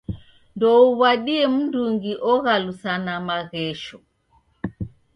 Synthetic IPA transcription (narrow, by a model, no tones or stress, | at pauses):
ndɔuβaɗiɛm̩nduŋɡiʔɔɣalusanamaɣɛʃɔ